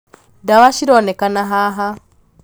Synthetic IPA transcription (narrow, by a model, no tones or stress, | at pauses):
dawaʃiɾɔnɛkanaɦaɦa